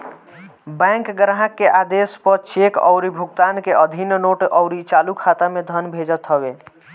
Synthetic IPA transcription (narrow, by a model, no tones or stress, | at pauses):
bɛ̃ŋkɡəɾɦakːeʔad̪espəɾt͡ʃekɔ̰ʊɾibʱuɡ̚t̪ankeʔəd̪ʱinnoʈɔʊɾit͡ʃalukʰat̪amed̪ʱənbʱed͡ʒət̪ɦəbe